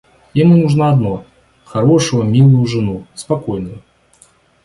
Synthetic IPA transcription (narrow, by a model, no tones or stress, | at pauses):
jɪmunuʐnaɐd̪no | xɐɾoʂɨvəmʲilˠʊjʊʐɨnuspɐkojnʊjʊ